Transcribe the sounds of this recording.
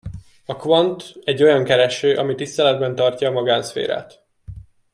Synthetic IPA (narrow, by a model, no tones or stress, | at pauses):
ɒkvɒnt̪ɛɟːo̞jɒŋkɛɾɛʃøːʔɒmit̪ist̪ɛlɛd̪bɛnt̪ɒrcɒːmɒɡaːnsfḛːɾa̰ːt̪